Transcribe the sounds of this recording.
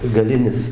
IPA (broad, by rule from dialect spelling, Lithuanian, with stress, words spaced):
ɡɐˈlʲɪnʲɪs